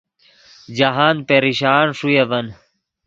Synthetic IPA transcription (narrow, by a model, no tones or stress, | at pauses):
d͡ʑaɦaːnpeɾiɕaːɳʂujeʋɐn